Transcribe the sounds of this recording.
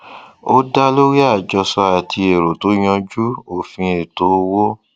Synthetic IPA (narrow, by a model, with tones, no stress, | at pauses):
o˦da˦lo˦ɾi˦a˦˨d͡ʒɔ˧sɔ˧a˨tʰi˧e˨ɾo˨to˨˦j̃ɔ̃˧d͡ʒu˦o˦˨fĩ˧e˨to˨˦wo˦